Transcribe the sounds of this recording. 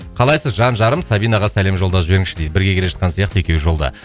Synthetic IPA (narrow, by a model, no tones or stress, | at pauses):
qʰɑlˠɑjsəzʒɑnʒɑɾəmsɑbijnɑʁɑsæle̞mʒo̞lˠd̪ɑsbe̞ɾɪŋʃɪd̪ejd̪bɪɾɡʲekʲeeʒɑt̪̚qɑnsijɑqt̪əekʲe̞wʒo̞lˠd̪ɑ̰